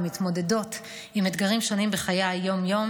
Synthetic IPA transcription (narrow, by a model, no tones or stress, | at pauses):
mit̪mo̞de̞do̞t | imed̪ɡaʁimʃo̞nimbeχajajːo̞mjo̞m